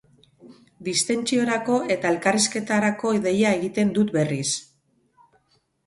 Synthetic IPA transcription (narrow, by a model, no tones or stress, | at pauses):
d̪ist̪e̞nt͡ʃio̞ɾako̞ʔe̞t̪ae̞lkariske̞t̪aɾako̞iðe̞jae̞ɣit̪e̞nd̪ut̪be̞ris